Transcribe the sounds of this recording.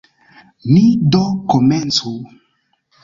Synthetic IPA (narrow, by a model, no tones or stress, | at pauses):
midokomɛnt͡su